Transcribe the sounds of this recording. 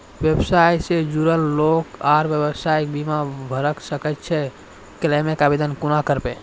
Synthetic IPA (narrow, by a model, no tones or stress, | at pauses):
ʋjebsajsed͡ʒuɾəlːokaɾbjebəsajk̚bimabʱəɾəksəkɛt̪̚t͡ʃʰɛ | kelamekabed̪ənkunakəɾpẽ